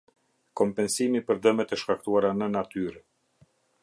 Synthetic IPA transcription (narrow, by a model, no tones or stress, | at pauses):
kɔmpɛnsimipəɾd̪əmɛt̪ɛʃkak̚t̪uaɾanənat̪yɾ